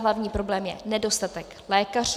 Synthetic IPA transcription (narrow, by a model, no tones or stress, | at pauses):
ɦlavɲiːpɾo̞blɛːmjɛ̰nɛdo̞st̪at̪ɛk | lɛːkar